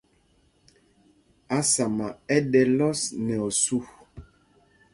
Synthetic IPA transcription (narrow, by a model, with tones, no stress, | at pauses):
a˦sa˨ma˨ɛ˦dɛ˨lɔ˦snɛ˨ɔ˨su˦